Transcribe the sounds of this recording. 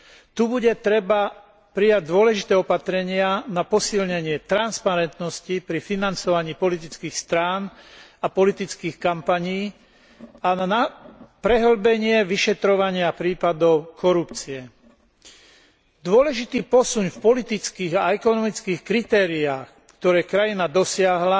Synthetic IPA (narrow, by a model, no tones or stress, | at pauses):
t̪ubuɟɛt̪ɾɛba | pɾijaɟ̚d̪ʊɔlɛʒit̪ɛːɔpat̪ɾɛɲɪanapɔsilɲɛɲɪɛt̪ɾanspaɾɛnt̪nɔscipɾifinant͡sɔʋaɲiːpɔlit̪̬it͡skiːxst̪ɾaːnapɔlit̪it͡skiːxkampaɲiː | aanapɾɛɦl̩bɛɲɪɛʋiʃɛt̪ɾɔʋaɲɪapɾiːpad̪ɔʊkʰɔɾupt͡siɛ | d̪ʊɔlɛʒit̪iːpɔsuɲfpɔlit̪it͡skiːɣaɛkɔnɔmit͡skiːxkɾit̪ɛːɾiaːx | kt̪ɔɾɛːkɾajinad̪ɔsɪaɦla